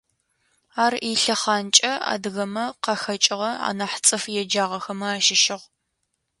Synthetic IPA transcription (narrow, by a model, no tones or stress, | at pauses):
aːriɬɐχaːnt͡ʃʼɐa̰ːdɨɣɐmɐqɐxɐt͡ʃʼɪʁɐa̰ːnɐħt͡sʼɨfjɛd͡ʒaːʁɐxɐmɐaːʃɪʃɪʁ